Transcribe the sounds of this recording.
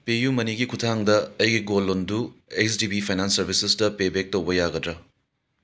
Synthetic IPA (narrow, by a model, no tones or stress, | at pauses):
pejumɐniɡikʰutʰaŋdɐɐjɡiɡolːondueksdibipʰajnansːɐɾbʱisesdɐpebek̚towbɐjaɡɐdɾɐ